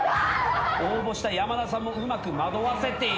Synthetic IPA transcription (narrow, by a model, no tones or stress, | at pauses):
oːbo̞ɕi̥t̪ajamanasãmːoɯ̟makɯ̟mad̪o̞βase̞t̪e̞